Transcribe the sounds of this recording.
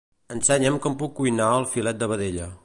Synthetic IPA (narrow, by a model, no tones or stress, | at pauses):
ənsɛɲəmkɔmpukːujnaəlˠfilɛt̪̚d̪əβəðeʎə